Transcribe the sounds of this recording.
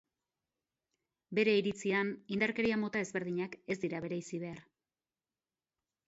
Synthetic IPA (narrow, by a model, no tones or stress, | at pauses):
be̞ɾe̞iɾit͡sianind̪aɾke̞ɾiamo̞t̪ae̞zβe̞ɾðiɲake̞zd̪iɾaβe̞ɾajsiβe̞aɾ